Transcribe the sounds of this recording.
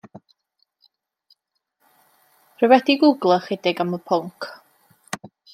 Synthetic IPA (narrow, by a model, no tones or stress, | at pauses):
rəvɛdiɡuɡlˠəχɛdɪɡaməpʰʊŋkʰ